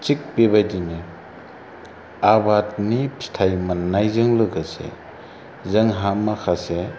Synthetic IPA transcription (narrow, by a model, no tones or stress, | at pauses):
t͡ʃik̚pebajdini | abat̚nipstʰajmanːajzɯŋlɯɡasḛ | zɐŋɦamːakʰase